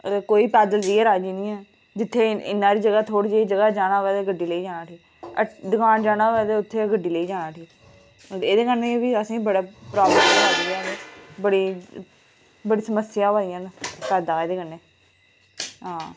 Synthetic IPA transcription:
koːiːpɛːd̪əld͡ʒiːɛːɾaːd͡ʒiːniːãː | d͡ʒɪt̪ʰːeːɪ̰nːãːɾiːd͡ʒəɡaːt̪ʰoːɽiːd͡ʒːd͡ʒəɡaːd͡ʒaːɽnãːʋɛːd̪eːɡəɖiːləiːd͡ʒaːnãːʈʰiːk | əd̪ʊkaːnd͡ʒaːnaːʋɛːd̪eːʊt̪ʰːeːɡəɖiːləiːd͡ʒaːnãːʈʰiːk̪ | eːd̪eːkənːeːʋiːəsĩːbəɽaːpɾaːbləmaːd͡ʒiaːnːbəɽiː | bəɽiːsəməsɪjãːʋaːijãːnpɛːd̪aːeːd̪eːkənːeː | ɦãː

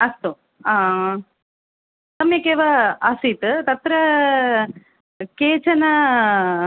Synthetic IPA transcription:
ɐst̪u | aː | t̪ɐmjɐkeʋɐɐsiːt̪ɨt̪ɐt̪ːɾɐ | keːt͡ʃɐnɐ

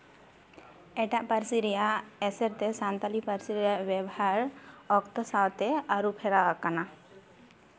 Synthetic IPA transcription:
ɛʈaʔpaɾsiɾijaɛsɛɾt̪ɛsant̪alipaɾsiɾijabjɛbɔhaɾɔkt̪ɔsawt̪ɛaɾupʰɛɾawakana

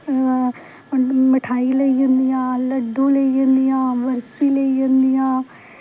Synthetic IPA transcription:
mɪʈʰaːiːləid͡ʒə̃nd̪ijãːləɖõːləiːd͡ʒə̃nd̪ijãːʋəɾsiːleiːd͡ʒə̃nd̪ijãː

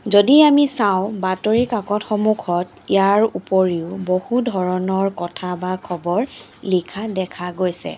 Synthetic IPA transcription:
zodiamisaʊ̃batoɹikakɔtxɔmukʰɔt | ijaɹupoɹiʊbohudʱɔɹɔnɔɹkɔtʰabakʰɔbɔɹ | likʰadɛkʰaɡojsɛ̰

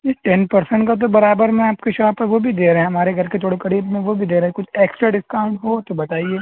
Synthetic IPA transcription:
jeʈɛnpɐɾsə̃ɳʈkat̪̬obɐɾaːbəɾmẽaːp̚keʃaːpɐɾʋobʱid̪eːɾɐɦɛ̃ɦɐmaːɾeɡʱɐɾket̪ʰoːɽekɐɾiːbmẽʋobʱid̪eːɾaɦɛkʊt͡ʃʰeːksʈɾaɖɪskaːʊ̃ɳɖɦot̪obɐt̪aːieː

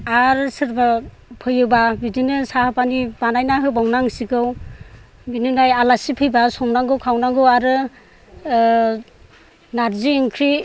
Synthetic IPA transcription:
aɾsɯɾba | pʰɯjɯbabidinɯsahɯpanibanajnaɦɯbawnaŋsikɯw | binɯnajalasipʰɯjbasɔmnaŋɡɯwkʰawnaŋɡɯwaɾɯ | naɾziːŋkʰɾi

